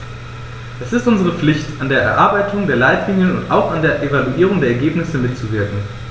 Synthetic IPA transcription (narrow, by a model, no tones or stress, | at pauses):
ʔɛsɪstʔʊnzəʁ̞əp͡flɪçtandeːɐʔɛ̰ɐʔaɐbaɪtʰʊŋdeːɐlaɪtʰliːnjənʊntʔa̰ʊxandeːɐʔevaluʔiːʁ̞ʊŋdeːɐɛɐɡeːpnɪsəmɪtt͡suvɪɐkŋ̩